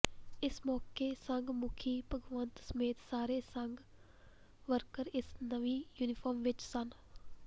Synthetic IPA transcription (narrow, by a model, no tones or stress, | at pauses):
ɪsmɔːkeːsəŋɡmʊkʰiːpəɡʋənt̪səmeːt̪saːɾeːsəŋɡ | ʋəɾkəɾɪsnəʋiːjuːnɪfʰɔːɾmʋɪt͡ʃsən